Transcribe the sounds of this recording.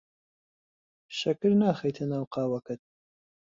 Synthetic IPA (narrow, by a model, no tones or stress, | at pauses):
ʃɐkɨɾnaːxɐjt̪ʰɐnaːwqɑːwɐkɨt̪̚